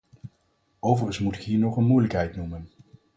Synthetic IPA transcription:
owvərənsmutɪkɦiːɹnɔχənmujləkɦɛjtnumən

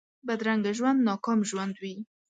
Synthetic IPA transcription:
bad̪ɾaŋɡaʒwand̪nɑkɑmʒwand̪wi

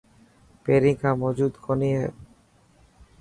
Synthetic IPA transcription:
peɾikamod͡ʑud̪kʰoniɦe

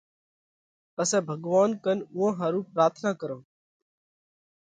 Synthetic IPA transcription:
pəsɛ̃ːbʱəɡʋaːnkənʊɦãːɦaːɾũːpɾaːt̪ʰnaːkəɾõː

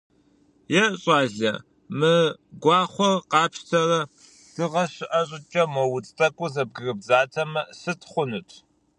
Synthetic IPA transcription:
jɛɕʼɑːɮɐ | mɨɡʷɑːχʷɔrqɑːpʃtʰɐrɐ | d̥ɨʁɐɕɪʔɐɕʼɪt͡ʃʼɐmɔwʊt͡sʼtʼɐkʷʼʊzɐb̚ɡɨrɨb̚zaːtʰɐmɐsɨtʰχʷʊnɨtʷʰ

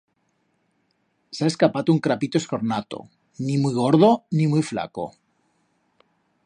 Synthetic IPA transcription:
seae̞skapat̪ouŋkɾapit̪oe̞sko̞ɾnat̪o̰ | nimujɣ̞o̞ɾðonimujfla̰ko̰

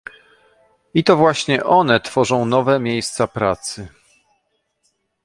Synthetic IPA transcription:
it̪ɔvwaɕɲɛʔɔn̪ɛt̪fɔʐɔ̃w̃nɔvɛmʲjejst̪sapɾat̪sɘ

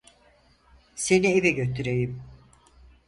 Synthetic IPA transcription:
se̞nievɛɟøt̪ʰyɾejim

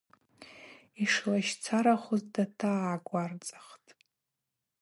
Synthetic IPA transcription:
iʂlaʃt͡sʰaɾaχʷʊzdatʰaːɡʷart͡sʼḁχtʼ

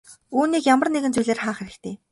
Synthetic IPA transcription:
uːniːkjamə̆rneɣɘ̆nt͡sujɮeːrχaːχeɾɘ̆kt̪ʰeː

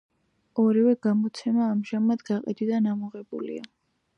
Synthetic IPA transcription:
ɔɾivɛɡamɔt̪sʰɛmaːmʒamad̪ɡaqʼḭd̪id̪anamɔʁɛbṵlḭa

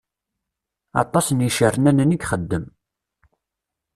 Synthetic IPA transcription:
ɑ̰t̪ˤːɑsənjiʃərːənænəniɡχəd̪ːəm

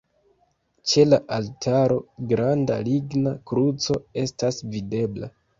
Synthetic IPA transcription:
t͡ʃe̞laʔaltʰaɾo̞ɡɾandaliɡnakɾut͡so̞e̞stasvide̞bla̰

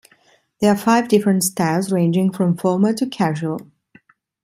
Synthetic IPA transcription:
ðə˞əfaɪvdɪfɹə̃ntstaɪlˠzɹẽɪ̃nd͡ʒɪ̃ŋfɹʌ̃mfɔɹmətʰɨkʰæʒwəl̩ˠ

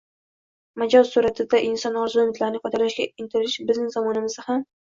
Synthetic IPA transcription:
mad͡ʒɒzsuɾat̪ʰɪd̪aʔɪnsɒnɒɾzʊʊmɪt̪ʰlaɾɪnɪqʰɒt̪ʰalaʃɡʲaɪnt̪ʰɪɾɪʃbɪznɪŋzɒmɒnɪmɪzɪham

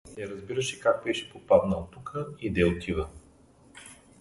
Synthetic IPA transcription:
t̪ɛɾɐzbiɾəʃɛkak̚bɛʃɛ̥popad̪nɐot̪ːukʰəid̪ɛot̪ʰivə

